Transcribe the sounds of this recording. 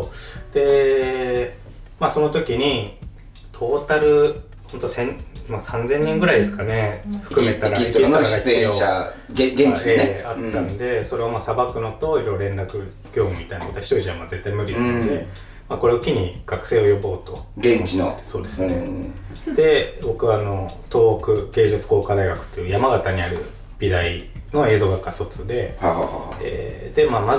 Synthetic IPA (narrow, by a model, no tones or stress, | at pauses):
od̪̥e̞ | maːso̞no̞t̪o̞kʲiɲ̟i | t̪ʰo̞ːt̪aɾɯ̟ | hõ̞nt̪o̞sẽ̞ɲmasãnd͡zẽ̞ɲ̟ːĩŋɡɯ̟ɾaid̪e̞sɨ̥kane̞ɸɯ̟kɯ̟ett̪aɾait̪iaaaioaɡeɲeat̪ːãnd̪e̞so̞ɾe̞βamaːsabakɯ̟no̞t̪o̞iɾo̞ɾoɾẽ̞nɾakɯ̟ | ɡʲo̞ːmɯ̟mʲit̪ainakot̪oaçi̥t̪oiʑiamad͡ze̞t̪ːaimɯ̟ɾʲindd̪e | makoɾe̞okʲiɲ̟iɡ̥akɯ̟̥se̞ːo̞jo̞bo̞ːt̪o̞ɡẽɲt͡ɕino̰so̞ːd̪e̞sɨed̪̥e̞bo̞kɯ̟βaːno̞t̪o̞ːkɯ̟ke̞ːd͡ʑɨt͡sɨ̥ko̞ːkad̪aiɡakɯ̟̥t̪ːe̞jɯjamaɡat̪aɲ̟iaɾɯ̟ | b̥ʲiɾaino̞e̞ːzo̞ːɡakːaso̞t͡sɨd̪e̞haɦahaḛd̪̥e̞maːma